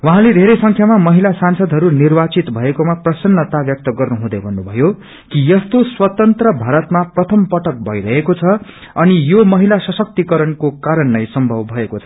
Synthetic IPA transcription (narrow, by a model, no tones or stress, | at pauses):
waɦãled̪ʱeɾejsʌŋkʰjamamʌɦilasansʌd̪ʱɦʌɾunirbat͡sit̪bʱʌekomaprʌsʌnːʌt̪abjʌk̚t̪ʌɡʌrnuɦũd̪ʌjbʱʌnːubʱʌjo | kijʌst̪oswʌt̪ʌnt̪rʌbʱaɾʌt̪maprʌt̪ʰʌmpʌʈʌk̚bʱʌ̰iɾʌɦekot͡sʰʌ | ʌnijomʌɦilasʌsʌk̚t̪ikʌɾʌnkokaɾʌnːʌjsʌmbʱʌbbʱʌekot͡sʰʌ̥